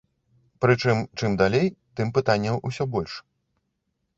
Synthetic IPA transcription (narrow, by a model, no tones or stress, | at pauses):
pɾɨt͡ʂɨmt͡ʂɨmd̪alʲejt̪ɨmpɨt̪anʲːɐmʔusʲɔbɔlʲʂ